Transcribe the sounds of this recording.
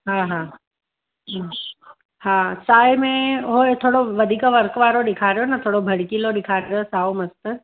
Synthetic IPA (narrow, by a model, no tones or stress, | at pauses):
ɦãːɦã | hãsaːjmẽɦoet̪ʰoːɽoʋɐd̪ʱiːkʋɐɾkʋaːɾoɗɪkʰaːɾijonɐt̪ʰoːɽobʱɐɽ̤kiloɗɪkʰaːɾosaːomɐst̪